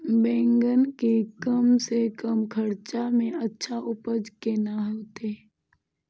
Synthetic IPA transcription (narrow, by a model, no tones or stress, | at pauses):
bẽːŋɡənkekəmsekəmkʰəɾt͡ʃamẽətːʃʰaʔʊpəd͡ʒkenaɦot̪eː